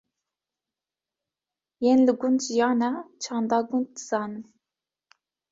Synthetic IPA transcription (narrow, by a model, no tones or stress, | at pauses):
jenlɨɡunʒijɑːnɑt͡ʃʰɑːnd̪ɑːɡun̚d̪ɨz̥ɑːnɨn